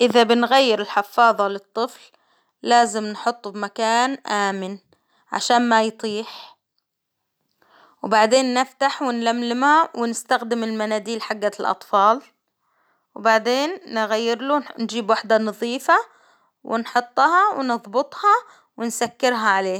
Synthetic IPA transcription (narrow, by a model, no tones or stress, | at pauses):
ʔɪðabɪnɣajːɪɾɪlħɪfɑːðˤɑlɨt̪ˤːɨfl | laːzɪmnħʊt̪ˤːbmakaːnʔaːmɪn | ʕa̰ʃaːnmajt̪ˤiːħ | wbaʕd̪eːnːɪft̪aħwɪnlamlɪmhawɪnɪst̪axd̪ɪmɪlmanaːd̪iːlħaɡːalʔɑ̰t̪ˤfɑːl | wbaʕd̪eːnːɣajːɪɾlund͡ʒiːbwaħd̪anɑðˤiːfa | wʔɪ̰nħʊt̪ˤːhɑwnɨðˤbʊt̪ˤhɑ | wɪnsakːɪɾɦaʕaleːh